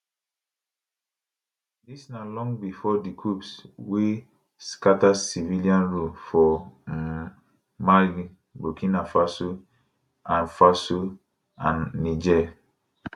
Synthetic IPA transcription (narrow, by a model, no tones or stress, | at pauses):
disnalɔ̃ŋbifɔdikʰɹupswe | skatasiviliãnɹufɔ | maɡi | bokʰĩnafaso | ãnfaso | ãnːid͡ʒɛ